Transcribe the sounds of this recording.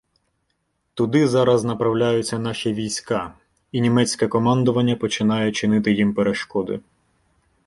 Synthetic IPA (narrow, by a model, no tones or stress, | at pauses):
t̪ʊd̪ɪzɑɾɐznɐpɾɐwlʲajʊt͡sʲːɐn̪ɑʃʲiʋʲijsʲkɑ | inʲimɛt͡sʲkɛkɔmɑnd̪ɔʋɐnʲːɐpɔt͡ʃɪnɑjɛt͡ʃɪnɪt̪ɪjimpeɾeʃkɔd̪ʊ̰